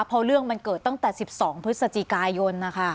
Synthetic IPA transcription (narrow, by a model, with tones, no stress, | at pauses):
pʰɔ˦˥ɾɯ˥˩əŋma˧nkɤː˨˩t̪ːa˥˩ŋt̪ɛː˨˩si˨˩p̚sɔː˩˦ŋpʰɾɯ˦˥t̪̚sa˧t͡ɕi˨˩kaː˧jo˧nːa˦˥kʰa˥˩